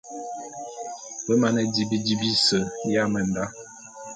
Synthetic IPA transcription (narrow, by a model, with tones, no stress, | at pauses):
bə˦ma˨nɛ˦di˨bi˦di˦bi˦sə˨ja˦mə˨n̩˨da˦